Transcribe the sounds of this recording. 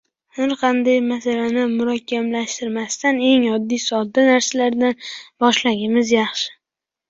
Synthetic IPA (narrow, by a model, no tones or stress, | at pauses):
haɾqʰɑnd̪ajmasalanɪmʊɾɒkʲʰːamlaʃt̪ɪɾmast̪ane̞ŋɒd̪ːijsɒd̪ːanaɾsalaɾd̪anbɒʃlaɡʲɪmɪzjɑχʃɪ̥